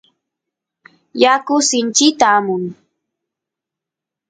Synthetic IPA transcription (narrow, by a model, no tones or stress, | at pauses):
jakʊsɪnt͡ʃɪt̪aːmʊŋ